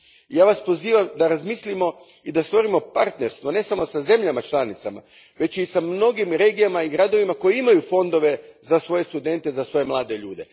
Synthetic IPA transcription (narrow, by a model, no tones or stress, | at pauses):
ijaːʋaspo̞ziːʋamd̪aɾazmislimo̞ | id̪ast̪ʋo̞ɾimo̞paɾt̪ne̞ɾst̪ʋone̞samo̞saze̞mʎamat͡ʃlˠanit̪sama̰ʋe̞t͡ʃisamno̞ɡimɾe̞ːɡijamaiɡɾad̪o̞ʋimako̞jiimajufo̞nd̪o̞ʋe̞zasʋo̞je̞st̪ud̪e̞nt̪ezasʋo̞je̞mlˠaːd̪e̞ʎuːd̪e̞